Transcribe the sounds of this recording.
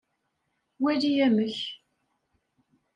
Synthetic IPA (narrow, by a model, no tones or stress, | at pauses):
wælijæməç